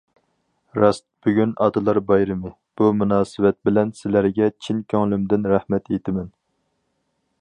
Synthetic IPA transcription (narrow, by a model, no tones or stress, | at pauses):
ɾɑst̪̚b̥yɡʲynʔɑd̪ɨlˠɑɾbɑjɾɨmɨ | b̥umunɑːsɨvɛt̪̚bɪlɛnsɪlæɾɡʲɛt͡ʃʰinkʲʰyŋlymd̪ɪnɾæhmɛt̪jet̪ʰɪmɛn